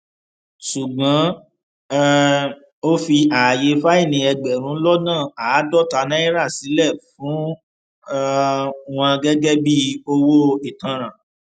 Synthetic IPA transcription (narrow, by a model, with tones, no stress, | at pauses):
ʃu˨ɡ͡bã˨˦ | o˦fi˧ʔaː˨je˧fa˦i˦˨nĩ˧ɛ˧ɡ͡bɛ˨ɾ̃ũ˨˦lɔ˦nãː˦˨aː˨˦dɔ˦ta˧nã˦i˦ɾa˦˨si˨˦lɛ˦˨fũ˨˦ | w̃ɔ̃˧ɡɛ˦ɡɛ˦bi˦o˧wo˦e˨tã˧ɾ̃ã˨